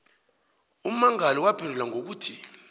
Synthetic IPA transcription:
um̩maŋaliwab̥ʰʱɛlɛlaŋok̬uːtʰi

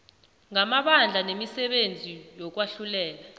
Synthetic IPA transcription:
ŋamaɓand͡ɮʱanemisɛɓend͡zʱijɔk̬waɬulɛːla

